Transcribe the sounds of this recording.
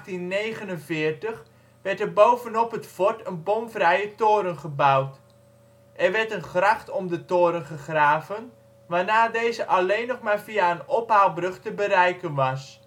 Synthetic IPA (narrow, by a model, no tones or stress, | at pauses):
tinnejɣənənvɪːrtəχ | ʋɛrtərbowvənɔpətfɔtənbomvrɛjətoːɾənχəbawt | ʔɛrʋɛrtənχraxtɔmdətoːɾənχəχraːvən | ʋaːnaːdeːzəʔalejnːɔχmaːrviaənɔpɦawlˠbrɵxtəbəɾɛjkənʋɑs